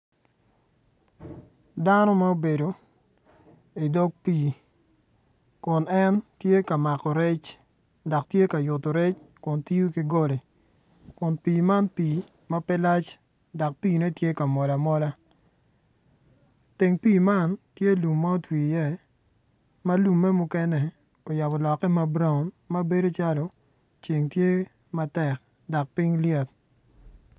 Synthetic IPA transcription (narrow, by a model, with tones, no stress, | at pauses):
da˦no˦ma˦o˦be˨do˨ | i˨dɔ˦k̚piː˨ | kʊ˨nɛ˦ntje˦ka˨ma˨kɔ˨ɾɛ˦t͡ʃ | da˨k̚tje˦ka˨jʊ˨to˨ɾɛ˦t͡ʃkʊ˨nti˦ju˦kɪ˦ɡɔ˦le˨ | kʊ˨npiː˨ma˦npiː˨ | mɐ˦pɛ˦la˦t͡ʃ | dɔ˨k̚piː˦˨nɛ˦tje˦ka˨mɔ˨la˨mɔ˦la˦ | te˨ŋpiː˦˨ma˦˨ntje˦lu˨mːa˦o˦twiː˨jɛ˦˨ | ma˦lu˨mːɛ˦mʊ˦kɛ˦nɛ˨ | o˨ja˨bɔ˨lɔ˨kːɛ˦ma˦bɾa˦˨n | ma˦be˦do˦t͡ʃa˦lo˨ | t͡ʃe˨ŋtje˦ | ma˦tɛ˨k̚ | dɔ˨k̚pi˦ŋljɛ˦˨t̚